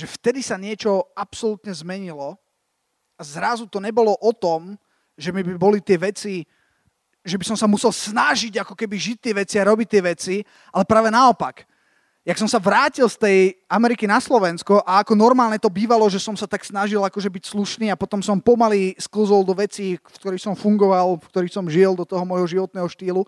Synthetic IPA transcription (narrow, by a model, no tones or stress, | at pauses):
ʒ̥ɛft̪ɛd̪isaɲɪɛt͡ʃɔapsɔlut̪ɲɛzmɛɲilɔ | azɾazut̪ɔɲɛbɔlɔʔɔt̪ɔm | ʒɛmibibɔlit̪ɪɛʋɛt͡si | ʒɛbisɔmsamusɛlsnaʒiɟakɔkɛbiʒic̚t̪ːɪɛʋɛt͡siaɾɔbic̚t̪ːɪɛʋɛt͡si | ʔalɛpɾaːʋɛnaɔpak | jaksɔmsaʋɾaːcilst̪ɛjamɛɾikinaslɔʋɛnskɔʔaakɔnɔɾmaːlɲɛt̪ɔbiːʋalɔʒɛsɔmsat̪aksnaʒilakɔʒɛbicsluʃniːapɔt̪ɔmsɔmpɔmaliskl̩zɔlˠd̪ɔʋɛt͡siːfkt̪ɔɾiːxsɔmfuŋɡɔʋalˠfkt̪ɔɾiːxsɔmʒiɛld̪ɔt̪ɔɦɔmɔjɦɔʒiʋɔt̪̚nɛːɦɔʃt̪iːlu